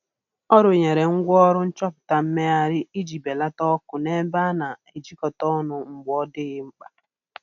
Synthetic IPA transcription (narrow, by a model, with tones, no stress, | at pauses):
ɔ˦ɾʊ˨ɲe˨ɾe˨ŋ̩˦ɡʷɔ˦ɾʊ˦n̩˦t͡ʃɔ˦pʊ̥˨ta˨m̩˦me˦a˨ɾɪ˦i˦d͡ʒi˨be˨la˦tɔ˦kʊ˨ne˦ba˦na˨e˨d͡ʒi˦kɔ˨tɔ˦nʊ˨ŋ͡m̩˨ɡ͡bɔ˦dɪ˦ɣɪ˦ŋ͡m̩˦k͡pa˦